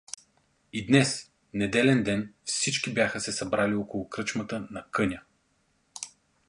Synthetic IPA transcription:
id̪nɛs | nɛd̪ɛlɛnd̪ɛnfsit͡ʃkibjaxəsɛsɐbɾaliɔkʊlˠʊkɾɤt͡ʃmət̪ənɐkɤnʲə

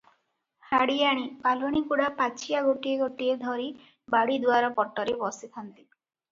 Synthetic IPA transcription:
haɽijaɽ̃ipalaɽ̃ikuɽapat͡ʃʰijaɡoʈieɡoʈied̪ʱɔɾi | baɽid̪waɾɔpɔʈːɔɾebɔsit̪ʰant̪i̥

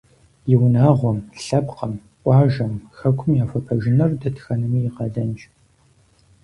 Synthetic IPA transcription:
jɪwnaːʁʷɔmɬɐpqɐm | ʔʷʼɑːʒɐmxɐkʷʰʊmjaːfɐpʰɐʒɪnɐrdɐtxɐnɨmiːjɪqɐdɐnt͡ʃʼ

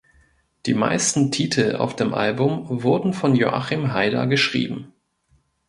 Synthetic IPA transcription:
d̥ḭːma̰ɪstn̩tʰiːtʰl̩a̰ʊfd̥eːmʔa̰lbʊmvʊɐdn̩fɔnjo̰ʔa̰χimɦaɪdɐ̰ɡəʃʁ̥ḭːbm̩

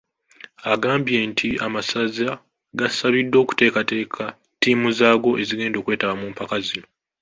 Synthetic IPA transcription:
aɡaːmbje̞ːntʰiamasaza | ɡasaβidːo̞ːku̥te̞ːkate̞ːkʰa | tiːmuzaːɡo̞ʔe̞ziɡe̞ːndo̞kwe̞ːtaβamuːmpakazino

